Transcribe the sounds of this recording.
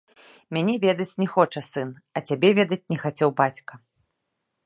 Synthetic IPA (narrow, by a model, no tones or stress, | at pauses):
mʲanʲɛvʲɛd̪ɐt͡sʲnʲɛxɔt͡ʂɐsɨn | ɐt͡sʲabʲɛvʲɛd̪ɐt͡sʲnʲɛxat͡sʲɛwbat͡sʲkɐ